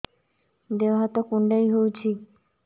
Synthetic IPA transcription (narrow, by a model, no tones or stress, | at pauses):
d̪ewɦat̪okuɳɖajɦowt͡ɕʰi